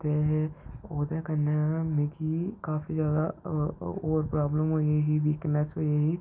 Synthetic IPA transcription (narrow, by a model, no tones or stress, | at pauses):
t̪eɦɛoːd̪eːkənemekiːkaːfizjaːd̪a | oːɾpɾaːbləmɦoːieɦiːʋiːknɛsɦoːeɦiː